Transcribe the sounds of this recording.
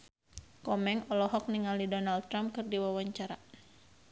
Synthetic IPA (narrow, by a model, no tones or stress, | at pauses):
kɔmɛŋɔlɔɦɔk̚niŋalidɔnalt̪ːɾampkɨrdiwawaɲt͡ʃaɾa